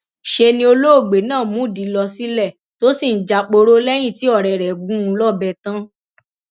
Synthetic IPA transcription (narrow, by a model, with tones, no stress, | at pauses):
ʃe˧nĩ˧˦o˧lo˦o˦˨ɡ͡be˨˦nãː˦˨mũ˨˦˨di˨˦lɔ˧si˦lɛ˦˨ | to˦si˦˨n̩˨d͡ʒa˧k͡po˧ɾo˦lɛ˦j̃ĩ˦˨ti˨˦ɔ˦˨ɾɛ˨ɾɛ˨ɡũ˦ũ˧lɔ˦˨bɛ˧tã˦